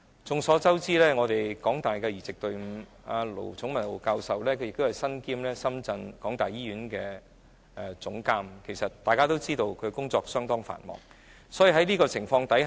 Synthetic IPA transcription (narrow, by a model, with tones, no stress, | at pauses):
t͡sʊ˨ŋsɔː˨˥t͡sɐ˥wt͡siː˥lɛː˥ŋɔː˨˧t̪e˨jkɔː˨˥ŋt̪aː˨˩jkɛː˧jiː˨˩t͡sɪ˨k̚t̪ɵ˨˧ɥm̩˨˧˩ | aː˧lo̰˨˩wt͡sʰʊ˨˥ŋmɐ˨˩nlo˨˩kaː˧wsɐ˨wlɛː˥kʰɵ˧jɪ˨kt̪o˥hɐ˨jsɐ˥nkiː˥mlɛː˥sɐ˥mt͡sɐ˧nkɔː˨˥ŋt̪aː˨jiː˥ɥyː˨˥nkɛː˧ | ʔɛ˧t͡sʊ˨˥ŋkaː˥mkʰe˨˩jsɐ˨t̚t̪aː˨jkaː˥t̪o˥wt͡siː˥t̪o˧wkʰɵ˨˧kʊ˥ŋt͡sɔː˧k̚sœː˥ŋt̪ɔː˥ŋfa̰ː˨˩nmɔ̰ː˨˩ŋ | sɔː˨˥jiː˨˩ɦɐ˨˥jliː˥kɔː˧t͡sʰɪ˨˩ŋfɔː˧ŋt̪ɐ˨˥j